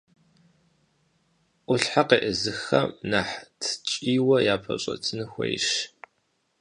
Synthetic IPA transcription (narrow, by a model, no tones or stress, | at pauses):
ʔʷʊɬħaqeːʔəzɨxɐnaħtʰt͡ʃʼiːwɐjaːpʰɐɕʼɐ̰tʰɨnɨxʷḛjʃ